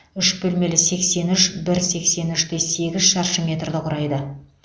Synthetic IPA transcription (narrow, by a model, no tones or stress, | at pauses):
ʏʃbɵlme̞lɪse̞kse̞nʏʃbɪɾse̞kse̞nʏʃt̪ese̞ɡʲɪzʃɑɾʃəmʲe̞t̪rd̪əqʰʊɾɑjd̪ə